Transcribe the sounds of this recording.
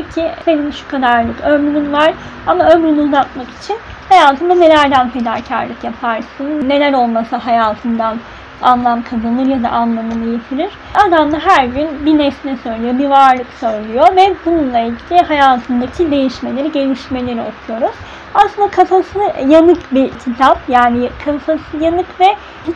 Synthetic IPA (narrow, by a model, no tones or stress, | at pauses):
cʰise̞ninʃu̥kʰad̪aɾlˠɯkømɾyɾynvaɾ̥ | amaømɾynyuzat̪̚maki̥t͡ʃʰin | hajaːt̪ʰɯnd̪ane̞lʲæɾd̪ænpʰe̞d̪a̰ːcʰa̰ɾlʲɯkjapʰaɾsɯnne̞lʲæɾo̞lˠmasaɦajaːt̪ʰɯnd̪an | a̰nlˠamkʰad̪ɯlˠɯɾjad̪a̰ʔanlˠamɯnɯje̞t̪ʰiɾiɾ̥ad̪amd̪aɦæɾɟynbinɛsnɛsø̞jlʲijo̞bivaɾlˠɯksø̞jlʲyjovɛbununlˠailʲɟilʲiɦajaːt̪ʰɯnd̪acʰid̪e̞jiʃme̞lʲe̞ɾiɟe̞lʲiʃme̞lʲe̞ɾio̞kʰujo̞ɾuz̥ | aslˠɯnd̪akʰafasɯnɯjanɯkbiɾcʰit̪ʰapjaːnikʰasasjanɯkvɛ